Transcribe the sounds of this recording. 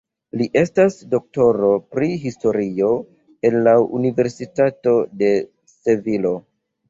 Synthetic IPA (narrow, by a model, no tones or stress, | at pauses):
liʔe̞stasdo̞k̚to̞ɾo̞pɾiɦisto̞ɾio̞ | e̞nlaṵnive̞ɾsitato̞de̞ | se̞vilo̞